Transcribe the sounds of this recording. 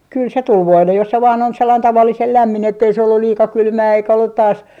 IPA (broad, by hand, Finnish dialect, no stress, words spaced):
kyl se tul ʋoilːej jos se ʋɑːn on selːɑin tɑʋɑlːisel læmːin etːei se olːul liːkɑ kylmæː eikæ olːut tɑːs